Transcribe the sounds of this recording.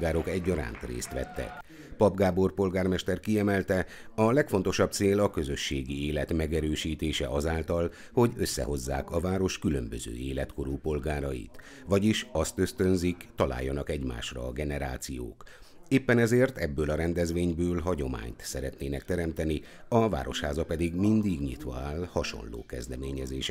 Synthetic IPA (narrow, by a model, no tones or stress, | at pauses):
ɡaːɾo̞kɛɟːɒɾa̰ːnt̪rḛːst̪ʋɛ̰t̪ːɛ̰k | pɒbɡaːbo̞rpo̞lɡaːrmɛʃt̪ɛrkiɛmɛlt̪ɛ | ɒlɛkfo̞nt̪o̞ʃɒb̚t̪seːlɒkø̞zø̞ʃːeːɡieːlɛt̪mɛɡɛɾøːʃiːt̪eːʃɛ̰ʔɒzaːlt̪ɒl | ho̞ɟø̞sːɛ̰ho̞zːa̰ːkɒvaːɾo̞ʃkylø̰mbøzø̰ːeːlɛt̪ko̞ɾuːpo̞lɡaːɾɒjḭt̪ | ʋɒɟiʃɒst̪ø̞st̪ø̞nzikt̪ɒla̰ːjːɒnɒkɛɟma̰ːʃrɒ̰ːɡɛnɛɾa̰ːt̪sijo̰ːk | eːpːɛnɛzeːrt̪ɛbːøːlɒɾɛnd̪ɛzʋeːɲbøːlɦɒɟo̞ma̰ːɲt̪sɛɾɛt̪neːnɛkt̪ɛɾɛmt̪ɛni | ɒva̰ːɾoʃhaːzɒpɛd̪iɡmind̪iɡɲḭt̪ʋɒ̰aːlhɒʃo̰nlo̰ːkɛzd̪ɛmeːɲɛzeːʃ